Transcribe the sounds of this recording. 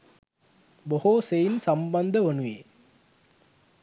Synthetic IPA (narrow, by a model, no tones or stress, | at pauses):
bohosejinsambɐnd̪əʋɐnuje